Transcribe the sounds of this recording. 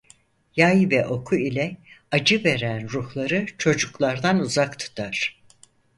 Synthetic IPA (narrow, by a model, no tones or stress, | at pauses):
jajvɛʔo̞kʰuilʲɛad͡ʒɯve̞ɾænɾuhlˠaɾɯt͡ʃʰo̞d͡ʒuklˠaɾd̪anuzakt̪ʰu̥t̪ʰaɾ̥